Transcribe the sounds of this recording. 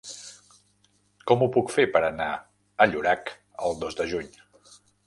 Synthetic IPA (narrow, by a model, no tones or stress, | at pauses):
kɔmupukfepəɾəna | əʎuɾak | əlˠd̪ozd̪əʒuɲ